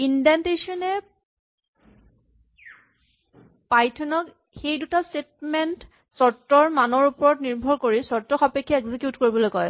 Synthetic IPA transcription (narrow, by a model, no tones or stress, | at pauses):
indantesɔnɛ | pajtʰɔnɔk | xejdutastet̚ment | sɔtːɔɹmanɔɹupɔɹɔtniɹbʱɔɹkoɹisɔɹtːɔxapekʰːaɛkzikjutkoɹibɔlojkɔj